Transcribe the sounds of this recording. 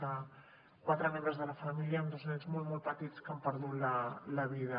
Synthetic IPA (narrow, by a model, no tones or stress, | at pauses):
a | kwat̪ɾəmɛməzðəlɐfɐmiljaund̪oznɛɲzmɔlt̪mɔlˠpət̪it͡skampəɾðut̪lalɐβiðɐ